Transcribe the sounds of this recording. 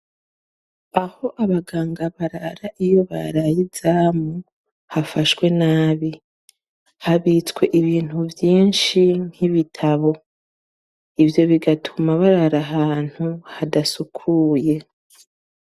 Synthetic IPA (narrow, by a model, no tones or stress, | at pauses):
aho̞ʔaβaɡaːŋɡaβaɾaɾaʔijo̞βa̰ɾajizaːmu | hafaʃwe̞naːβi | haβit͡skwe̞ʔiβiːn̥huvjiːnʃin̥hiβitʰaβo̞ | ivjo̞βiɡatʰumaβaɾaɾaɦaːn̥huhadasukʰuːje̞